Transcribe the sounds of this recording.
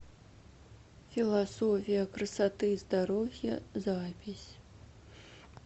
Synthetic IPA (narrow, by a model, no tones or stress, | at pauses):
fʲilˠasɔfʲijɐkrɨsat̪ɨzd̪aɾɔvʲjɐ̰zapʲisʲ